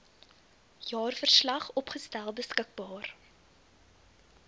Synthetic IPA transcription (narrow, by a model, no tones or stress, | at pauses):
jɑːrfərslɐχɔpχəstælˠbəskək̚bɑːr